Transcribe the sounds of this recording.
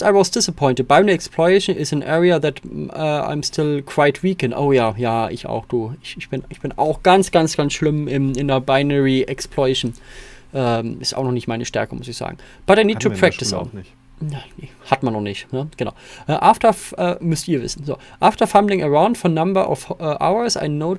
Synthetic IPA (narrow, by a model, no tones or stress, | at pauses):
aɪwɔzd̥ɪsəpʰɔɪntət̚b̥aɪnəiɛkspʰlɔɛʃnɪsæ̃nʔɛːɹiaðætɛːa̰ɪmstʰɪlkʰw̥aɪtʰwiːkə̃ndʔo̰ʊjaːjaːɪ̰ça̰ʊxd̥uːɪçɪçb̥ɪnɪçb̥ɪna̰ʊxɡ̥ansɡ̥ansɡ̥ansʃlɪmɪmɪndɐbaɪnəɹiʔɛkspʰlɔɛʃnʔɛːmɪsta̰ʊxnɔχnɪçtmaɪnəʃtɛ̰ɐkəmʊsɪçz̥a̰ːɡŋ̩ | b̥ataɪniːd̚tʰupʰɹ̥ɛk̚tɪsɔ̰ʊ | nanehatmãnːɔχnɪçtnəɡ̥əna̰ʊʔɛːʔaːftəʔɛːmʏstiːɐvɪ̰sn̩zo̰ːʔaːftəfãmblɪ̃ŋəɹaʊ̃ndfɔnambə˞ʔɔ̰fɛʔa̰ʊə˞sa̰ɪnoʊ